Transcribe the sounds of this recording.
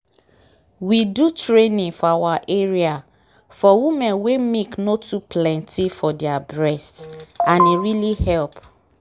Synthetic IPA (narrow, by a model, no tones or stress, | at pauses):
widutɹenĩŋfɔawaʔeɹia | fɔwimɛ̃nwemeknotuplɛ̃ntʰifɔdabɹɛstãneɹilihɛlp